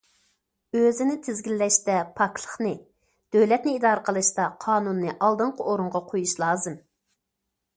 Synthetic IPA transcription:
øzɪnɪt̪ʰɪzɡʲilːɛʃt̪ɛpʰɑklˠə̥χnɨ | d̪̥øwlɛt̪nɪid̪ɑːɾəqʰəlˠɨʃt̪ɑqʰɑːnunːɨʔɑlˠd̪ɨɴqʰəoɾuɴʁɑqʰojuʃlˠɑːzɨm

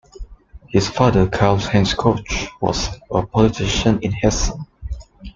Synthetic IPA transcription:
hɪsfadəkʰalshɛ̃nskʰot͡ʃwɔ̰səpʰɔlitʰɪʃə̃nɪ̃nhɛsə̰̃n

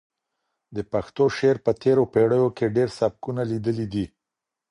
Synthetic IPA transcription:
d̪əpaxt̪oʃeɾpət̪eɾopeɽəjokeɖeɾsab̚kunalid̪əlid̪i

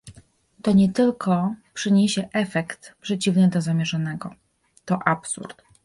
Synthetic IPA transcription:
t̪ɔɲɛt̪ɘlkʰɔpʂɘɲeɕɛʔɛfɛkt̪pʂɛt͡ɕivnɘd̪ɔzamʲjɛʐanɛɡɔ | t̪ɔʔapsṵɾt̪

